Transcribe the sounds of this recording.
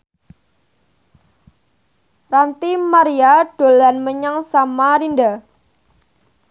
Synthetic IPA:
rant̪imaɾiaɖ̥o̤lanməɲaŋsamaɾinda

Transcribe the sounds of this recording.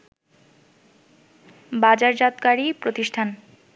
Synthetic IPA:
bad͡ʑaɾd͡ʑat̪kaɾipɾot̪iʃʈʰan

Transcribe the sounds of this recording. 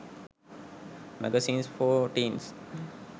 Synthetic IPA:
mæ̰ɡəsĩːnsfoːʈĩːns

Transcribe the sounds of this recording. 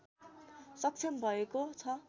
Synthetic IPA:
sʌk̚t͡sʰʌmbʱʌekot͡sʰʌ

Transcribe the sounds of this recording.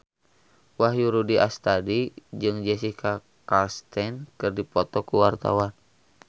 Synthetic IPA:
waɦjuɾudiʔast̪adid͡ʒɨŋd͡ʒɛsihkʰa | kalst̪ɛnkɨrdipɔt̪ɔkuwart̪a̰wan

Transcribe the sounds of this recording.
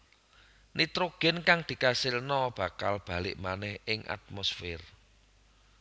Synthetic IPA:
nit̪ɾoɡ̥ɛ̤nkaŋd̪̥i̤kasɪlnɔb̥ä̤kalb̥a̤lɪʔmanɛhɪŋʔa̰t̪̚mosfɪr

